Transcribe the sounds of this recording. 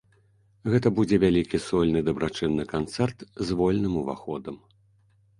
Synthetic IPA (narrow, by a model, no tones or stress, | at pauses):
ɣɛt̪ɐbud͡zʲɛvʲalʲikʲisɔlʲnɨd̪ɐbɾat͡ʂɨnːɨkant̪sɛrt̪zvɔlʲnɨmuva̰xɔd̪ɐm